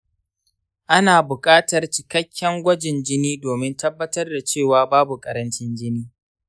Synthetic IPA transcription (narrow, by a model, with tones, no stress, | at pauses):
ʔa˦naː˨bʊ˨kʼaː˦tɐ˨rt͡ʃɪ˨kɐ˦kʲːɛ˦ŋɡʷɐ˦d͡ʒɪ˨nd͡ʒɪ˦niː˦doː˨mɪ˦ntɐ˦bːɐ˦tɐ˦rda˨t͡ʃeː˦˨waː˨baː˦bu˨kʼɐ˨ɾɐ˦nt͡ʃɪ˦nd͡ʒɪ˦niː˦